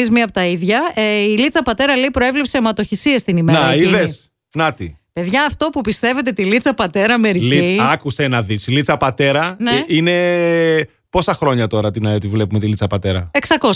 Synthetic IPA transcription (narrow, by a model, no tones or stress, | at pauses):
izmiɐpot̪ɐiðʝɐeilit͡sɐpɐt̪e̞ɾɐleipɾoe̞vlepsemɐt̪o̞çisiest̪inimeɐɾiiðes | nɐt̪ipe̞ðʝɐːft̪o̞pupist̪e̞ve̞t̪̬e̞t̪ilit͡sɐpɐt̪e̞ɾɐme̞ɾliiɐkusenɐðisilit͡sɐpɐt̪e̞ɾɐneine̞ | po̞sɐxɾo̞ɲɐt̪o̞ɾɐt̪inɐot̪ivle̞pume̞t̪ilit͡sɐpɐt̪e̞ɾɐeksɐko